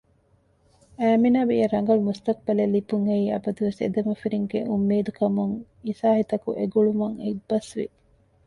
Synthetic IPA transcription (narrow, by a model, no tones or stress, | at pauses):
æːminaːbiɐɾɐŋɡɐlumust̪ɐk̚bɐlelːipuŋeiːɐ̰bɐd̪uʋesḛd̪ɐmɐfiɾiŋɡḛʔumːeːd̪ukʰɐmuŋ | isaːhit̪ɐkuʔeɡuɭumɐŋebɐsʋḭ